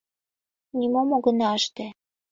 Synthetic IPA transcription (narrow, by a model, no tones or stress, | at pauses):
nʲimomoɡɤ̆nɑʃt̪ĕ